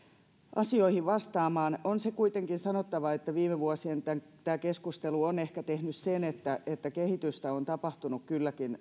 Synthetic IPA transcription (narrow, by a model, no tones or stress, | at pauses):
ʔɑ̰sioihiʋʋɑst̪ɑːmɑːnonsekuit̪eŋkinsɑnot̪ːɑʋɑet̪ːæʋiːmeʋuɑsient̪æŋt̪æːkeskust̪eluonehkæt̪ehnyssenet̪ːæet̪ːækehit̪yst̪æont̪ɑpɑht̪unukkylːækin